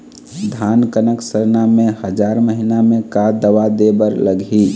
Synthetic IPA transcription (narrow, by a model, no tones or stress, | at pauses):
d̪ʱankənəksəɾnamẽhəd͡ʒaɾməɦinamẽkad̪əʋad̪ebəɾləɡʱi